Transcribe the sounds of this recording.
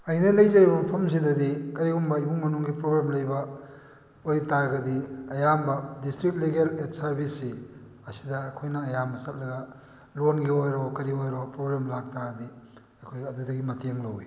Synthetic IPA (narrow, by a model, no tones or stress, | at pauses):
ɐjnɐlɐjzɐɾibɐpʰɐms̬idɐdikɐɾiɡumbɐibuŋmɐnuŋɡipɾoɡɾamlɐjbɐ | ojtaɾɡɐdiɐjambɐdistɾit̚leɡelet̚sɐɾbʱisːi | ɐsi̥dɐːjkʰojnɐːjambɐsɐt̚lɐɡɐ | lonɡiojɾokɐɾiojɾopɾoɡɾamlak̚taɾɐdi | ɐjkʰojɐdudɐɡimɐtʰeŋlɐwi